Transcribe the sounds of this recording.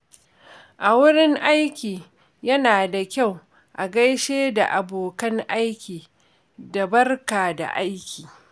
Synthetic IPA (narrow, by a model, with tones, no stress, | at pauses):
ʔa˨wʊ˦ɽɪ˦ŋʔa˦jkʲiː˨ | jɐ˦naː˨da˨kʲa˦˨w | ʔa˨ɡɐ˦jʃeː˦da̰˨ʔa˨boː˨kɐ˦ŋʔa˦jkʲiː˨ | da˨bɐ˦rkaː˨da̰˨ʔa˦jkʲiː˨